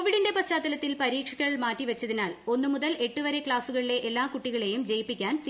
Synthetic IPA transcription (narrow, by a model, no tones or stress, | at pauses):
oʋiɽinde̞pɐst͡ɕaːt̪ːɐlɐt̪ːilpɐɾiːkʂɐɣɐɭmaːtːiʋɐt͡ɕːɐðinaːlo̞nːumuðɐle̞ʈːuʋɐɾe̞kɭaːsuɣɐɭile̞ʔelːaːkuʈːiɣɐɭe̞jumd͡ʑejipːikʲːaːns